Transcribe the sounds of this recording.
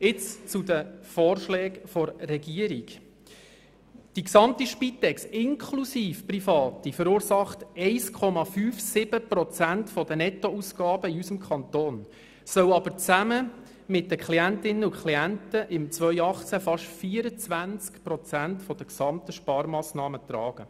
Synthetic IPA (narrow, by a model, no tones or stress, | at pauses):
ɪt͡st͡sud̪əfɔːrʃlɛːkfɔɾːɛɡiəɾiɡ | d̥iksɑmtiʃpitɛksɪŋkʰlusiːfprifɑːtifəɾuːɾsɑχtɛɪskʰɔmɑfyːfsɪb̥əpɾɔt͡sæntfɔdənɛtɔusɡ̥ɑːb̥əiysəmkʰɑnt̪oːn | sœʊɑbəɾt͡sæmə | mɪt̚dəkʰliæntɪnːəʊkʰliæntəʔɪmt͡sʋœʏɑχt͡sæfɑʃfiːəɾət͡sʋænt͡skpɾɔt͡sæntfɔd̥əksɑmt̪əʃpɑːɾmɑːsnɑːmət̪ɾɑːɡ̥ə